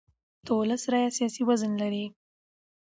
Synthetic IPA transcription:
t̪olasɾajasijɑsiwazənlaɾi

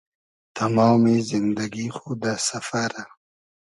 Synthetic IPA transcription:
t̪ʰamɑːmizɪnd̪aɡixod̪asafaɾa

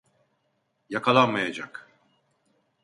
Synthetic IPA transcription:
jakʰalˠanmajad͡ʒak

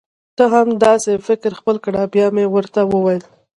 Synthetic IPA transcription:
t̪əɦamd̪ɑsefɪkɾxpəlkɽabjɑmewəɾt̪awəwajəl

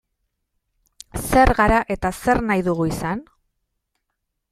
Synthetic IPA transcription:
se̞ɾɣaɾaʔe̞t̪ase̞ɾnajðuɣuisan

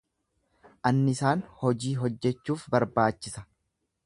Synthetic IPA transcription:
ʔɐnːɪɪsaːnhɔd͡ʒiːɦɔd͡ʒːɛt͡ʃːuːfbɐɾbaːt͡ʃːɪsɐ̥

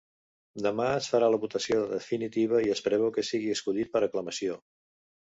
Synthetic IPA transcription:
d̪əmaəsfəɾaləβut̪əsioðəfinit̪iβ̞əiəspɾɛβɛwkəsiɣiəskulit̪̚pəɾəkləməsio

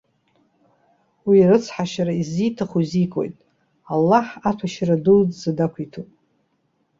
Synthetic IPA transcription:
wiɾɨt͡sʰħaʃaɾaizijtʰaχuzikʷʼo̞̰jtʼ | alːaħatʷʰaʃradudzadakʷʰitʰupʼ

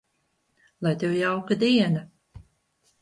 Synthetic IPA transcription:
lˠajt̪ewjawkad̪iɛna

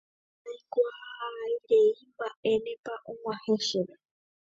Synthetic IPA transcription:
ajkʷahaiɾeimbaʔenẽpaʔoŋwãheʃeβe

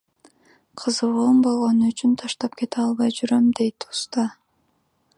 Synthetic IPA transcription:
qʰɯzɯʁombo̞lˠʁonuyt͡ʃynt̪ʰɑʃt̪ɑp̚ke̞t̪eɑlˠβɑjd͡ʒyɾømd̪e̞jt̪u̥st̪ɑ

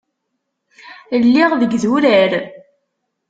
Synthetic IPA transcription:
lːiʁðəɡðuɾæɾ

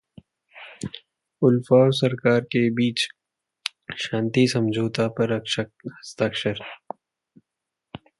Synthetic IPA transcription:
ʊlfaːsɐɾkaːɾkebiːt͡ʃ | ʃãːnt̪isɐ̃md͡ʒʱoːt̪apɐɾɐkʃhɐst̪aːkʃəɾ

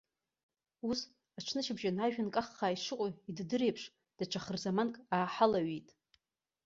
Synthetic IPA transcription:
us | aʈ͡ʂʰnɨʃɪbʒanaʒᶣankʼaχːaːiʂɨqʷʼoiddɨɾejpʰʂ | d̥aʈ͡ʂʰaχərzamankʼaːħalaɥijtʼ

